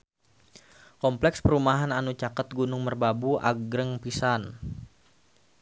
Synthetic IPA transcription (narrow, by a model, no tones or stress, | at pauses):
kɔmplɛkspəɾumaɦananut͡ʃakət̪̚ɡunʊŋmərbabuʔa̰ɡɾəŋpisan